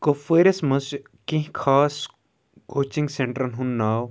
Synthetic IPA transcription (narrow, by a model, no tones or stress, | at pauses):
kofeːɾesmɐs | kĩɦkʰaːs | koːt͡ʃĩŋɡseɳʈɾɐnɦunːaːw